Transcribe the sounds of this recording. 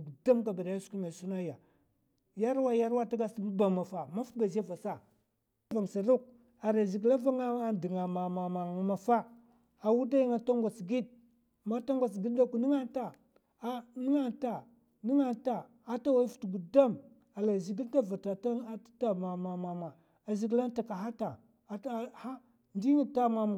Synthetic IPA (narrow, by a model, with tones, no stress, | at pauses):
ɡu˨da˦mka˨ba˨da˨ja˦su̥˨˦ku˦ma˨su˦na˦ja˨ | ja˦ɾwa˦ja˦ɾwa˦ta˦ɡa˦smu˦ba˨ma˨fa˨ma˦fu˦t̚ɡa˨za˦va˨sa˦˨˦ | va˨ŋ˨sa˨ɾu˦k̚ | a˨ɾa˨zi˨ɡla˦va˦ŋa˦a˦di˨ŋa˨ma˨ma˨ma˨ma˨fa˦ | a˨wu˦da˦ji˦ŋa˨ta˦ŋɡa˨t͡sɡi˦d̚ | ma˦ta˦ŋɡʷa˨t͡sɡi˦d̚da˦ku˨ni˦ŋa˦ta˦˨˦ | ni˦ŋa˦ta˨ | ni˦ŋa˨ta˨ | a˦ta˦wa˦i˦fu̥˨tɡu˨da˦m | a˨la˨zi˨ɡi˦lta˦va˨ta˨ta˦ta˦˨ma˨ma˨ma˨ma˨ | a˨zi˨ɡla˦n˦ta˨ka˨ɦa˦ta˨ | ha˦ | ndi˦ŋi˦˨ta˦ma˨m˨